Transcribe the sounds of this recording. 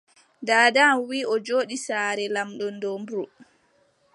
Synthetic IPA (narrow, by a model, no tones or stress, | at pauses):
daːdamwiːʔɔd͡ʒoːɗisaːɾɛlamɗɔndɔmbɾu